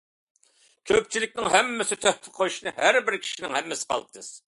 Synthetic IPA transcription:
kʲʰøp̚t͡ʃʰilɪkʲnɪŋhæmːɪsɪt̪ʰøhp̪ʰɪqʰojuʃnɨɦæɾbɪɾkʲʰi̥ʃinɪŋhɛmːɪsɪ̥qʰɑ̰l̚ˠt̪ʰɨz̥

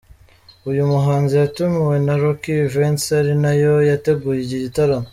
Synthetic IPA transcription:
ujumuɦaːnzijatumiwe̞naɾokivensaɾinajo̞jate̞ɡuːjiɟiɟitaɾamo

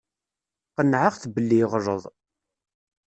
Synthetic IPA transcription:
qənʕaʁθbəlːiʁɾˤə̰ðˤ

